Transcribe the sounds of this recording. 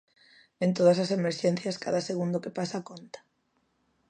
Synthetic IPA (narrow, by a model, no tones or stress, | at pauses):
ẽnt̪oð̞asasemeɾʃen̟θjɐska̰ðaseɣ̞und̪okepasakont̪ḁ